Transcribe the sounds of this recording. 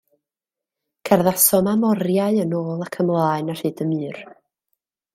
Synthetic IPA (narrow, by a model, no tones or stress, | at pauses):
kʰɛrðasɔmamɔɾjaɨənoːlˠakʰəmlˠaːɨnar̥ɨːdəmɨːr